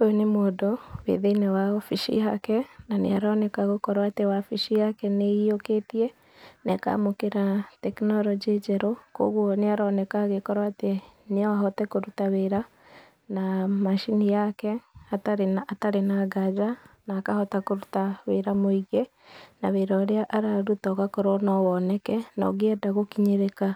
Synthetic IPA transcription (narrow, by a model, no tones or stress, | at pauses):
ojonemoːdowḛðeinɛwaɔfiʃḭɦakɛnanḛaɾɔnɛkaɣokɔɾwatewafiʃijakɛneioketiɛ | nɛka̰mokeɾatɛknɔɾɔd͡ʒed͡ʒɛɾoko̰ɣwɔneaɾɔnɛkaɣekɔɾwateneaɦɔtɛkoɾutaweɾa | namaʃinijakɛataɾenːtaɾenaɡad͡ʒanaːkahɔtakoɾutaweɾamoiɣe | naweɾaɾeaʔaɾaɾutɔɣakoɾɔnɔwɔnɛkɛnɔ̰ɣiɛdaɣokiɲeɾeka